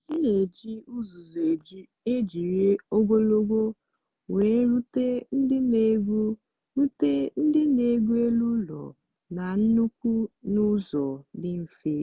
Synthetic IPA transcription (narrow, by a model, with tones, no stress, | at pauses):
ne˨d͡ʒi˦u˦zu˨ze˨d͡ʒi˦ | e˦d͡ʒi˨ɾe˦o˦ɡʷo˦lo˦ɡʷo˦ | we˨˦ɾu˦te˦n̩˦dɪ˦ne˨˦ɡʷu˦ | ɾu˦te˦n̩˦dɪ˦ne˨˦ɡʷu˦e˦lu˦lɔ̰˨ | na˨n̩˦nu˦kʷu˦nu˦zɔ˨dɪ˦m̩˨fe˦